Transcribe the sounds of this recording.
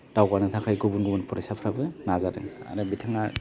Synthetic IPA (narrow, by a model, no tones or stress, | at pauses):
d̥awɡanɯtʰakʰajɡɔbunɡubɯnpʰɔɾesapʰɾabɯnazadɯŋa̰ɾɯbitʰaŋa